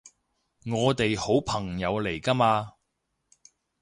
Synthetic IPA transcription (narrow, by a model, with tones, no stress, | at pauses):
ŋɔː˨˧t̪e˨jho˨˥wpʰɐ˨˩ŋjɐ˨˧wle˨˩jkɐ˥maː˧